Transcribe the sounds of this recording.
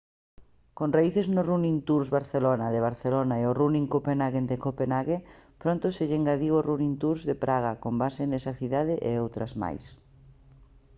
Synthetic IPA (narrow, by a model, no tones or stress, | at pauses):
konraiθeznorunint̪uɾzβaɾθelonaðeβ̞aɾθelonaeoruniŋkopenaɣend̪ekopenaɣepɾõnt̪oseʎeŋɡaðiɣorunint̪uɾzðepɾʔaɣ̞akombasenesɐθiðaðɪʔḛowt̪ɾɐzma̰js